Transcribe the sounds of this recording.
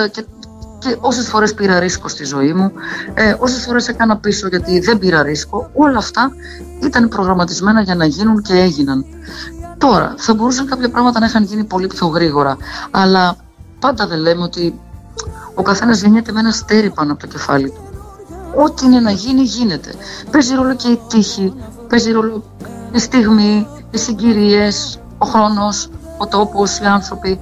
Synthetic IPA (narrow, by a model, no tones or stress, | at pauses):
ce | ceʔo̞se̞sfo̞ɾe̞spiɾɐɾiskost̪izo̞imueo̞s̬e̞sfo̞ɾe̞se̞kɐnɐpiso̞ʝɐt̪iðe̞mbiɾɐɾisko̞o̞lɐːft̪ɐ | it̪ɐnpɾo̞ɣɾɐmɐt̪izme̞nɐʝɐnɐʝinunce̞e̞ʝinɐn | t̪o̞ɾɐ̰θɐbo̞ɾusɐŋkɐpçɐpɾɐɣmɐt̪ɐnɐixɐnʝinipo̞lipço̞ɣɾiɣo̞ɾɐɐlɐ | pɐnd̪ɐðe̞le̞meo̞t̪i | o̞kɐθe̞nɐzʝeɲet̪e̞me̞nɐst̪e̞ɾipɐnoɐpo̞t̪o̥ce̞fɐ̰lit̪u | o̞t̪iine̞nɐʝiniʝine̞t̪e̞̥̰pe̞ziɾo̞loce̞it̪içi | pe̞ziɾo̞lo | ist̪iɣmiː | siɲɟiɾie̞s | o̞xɾo̞no̞s | ot̪o̞posiɐnθɾo̞pi